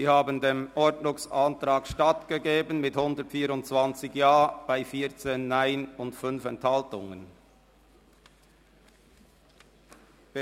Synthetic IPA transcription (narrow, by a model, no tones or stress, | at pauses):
iːhaːbəndeːmʔɔɾdnʊŋsantɾaːkʃtatɡ̥əɡeːbənmɪthʊndətfiːɾʊntt͡sv̥ant͡sɪçjaːb̥aɪfiːt͡seːnːaɪnʊntfʏnfɛnthaltʊ̰ŋən